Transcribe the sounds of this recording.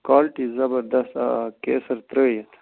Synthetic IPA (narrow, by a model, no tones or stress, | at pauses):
kaːlʈizɐbɐɾd̪ɐst̪kḛːsɐɾt̪ɾəːjet̪ʰ